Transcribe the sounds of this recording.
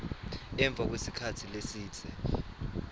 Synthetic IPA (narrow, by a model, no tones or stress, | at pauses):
ɛɱb̪vʱak̬wesikʰatʰilesiːtʰʼɛ